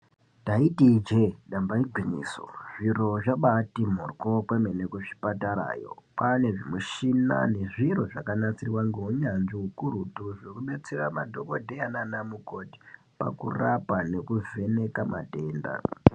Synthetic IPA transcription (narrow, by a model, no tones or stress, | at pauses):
daitid͡ʒeɗambaiɡʱwiɲḭːso̰ʐiro̞ʐaɓatimorkokwemenekuʂi̥pataɾa̰ːjo̞̰pane̞ʐimweʃina̰ne̞ʐiro̞ʐakanat͡sirwaŋɡeɦuɲanʐiɦukuɾutuʐekuɓe̞t͡se̞ramadʱo̞ko̞dʱe̞ananamuko̞ti̥ | pa̰kṵrapane̞kuve̞ne̞kama̰teːnda̰